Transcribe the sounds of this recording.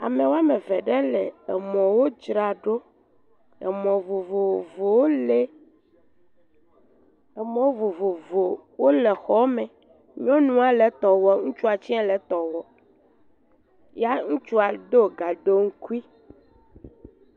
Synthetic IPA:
a̰˨mẽ˨wo˦a˦mẽ˨vɛ˨ɖɛ˦lɛ˨ɛ˨mɔ̃˨wo˦d͡ʒɾa˨ɖo˦ | ɛ̰˨mɔ̃˨vo˨vo˨vo˨wo˦le˦ | e˨mɔ̃˦wo˦vo˨vo˨vo˨wo˦lɛ˨xɔ˦mɛ̃˨ | ɲĩ˦ɔ̃˦nũ˦a˦lɛ˨t̪ɔ˨wɔ˨ŋũ˦t͡ʃu˦a˨t͡ɕi˦a˦lɛ˨t̪ɔ˨wɔ˨ | ja˦ŋũ˦t͡ʃu˦a˨d̪o˦ɡa˨ɖo˦ŋ̩˦ku˦i˦

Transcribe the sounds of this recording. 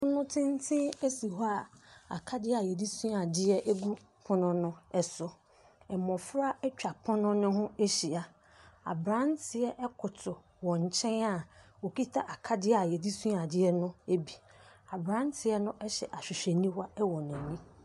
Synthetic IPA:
ʊ˦nʊ̃˦tʰɪ̃˦n˦tʰɪ̃˦e˦si˨hɔ˦a˦˨a̰˨kʰa˦dɪ˦a˨jɛ˨di˦sũ˦a˨dɪ˦ɛ˦ʔɛ˦ɡu˦ | pʰʊ̃˦nʊ̃˦nʊ̃˦ɛ˦sʊ˦ | ɛ˨mɔ̃˨fɾa˦ɛ˦t͡ɕᶣa˨pʰʊ̃˦nʊ̃˦nʊ̃˦ɦʊ̃˦e˦ɕi˨a˨ | a̰˨bɾã˦n˦tʰɪ˨ɛ˦ʔɛ˦kʰʊ˨tʰʊ˨ | wɔ̃˨ɲ˨t͡ɕʰɛ̃˦na˨o˨ki˦tʰa˦ʔa˨kʰa˦dɪ˦a˨jɛ˨di˦sũ˦a˨dɪ˦ɛ˦nʊ̃˦e˦bi˨a˨bɾã˦n˦tʰɪ˨ɛ˦nʊ̃˦ʔɛ˦ɕɛ̰˨ʔa˨ɕᶣɪ˨ɕᶣɛ˨nĩ˦hwa˦ɛ˦wɔ˨nʊ̃˨nĩ˦

